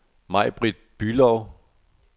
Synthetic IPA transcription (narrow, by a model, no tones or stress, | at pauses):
mɑ̈ɪ̰b̥ʁid̥̚b̥ylɒʊ